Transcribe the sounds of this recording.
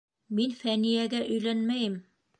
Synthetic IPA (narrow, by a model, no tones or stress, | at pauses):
minfænijæɡæʔɵ̆jlænmæjɘm